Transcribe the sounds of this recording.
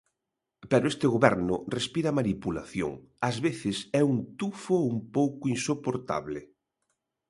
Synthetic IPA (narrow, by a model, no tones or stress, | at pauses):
pɛɾʊest̪ɪɣoβɛɾnʊrespiɾamanipula̰θjo̰ŋ | azβeθɪsɛuŋt̪ufoumpowkʊinsopoɾt̪a̰βlɪ